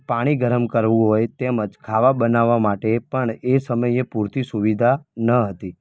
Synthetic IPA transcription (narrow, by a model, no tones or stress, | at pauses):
paɽ̃iɡʱəɾəmkəɾʋũɦojt̪eməd͡ʒkʰaʋabənaʋːamaʈepəɳesəməjepuɾt̪isuʋid̪ʱanəɦət̪i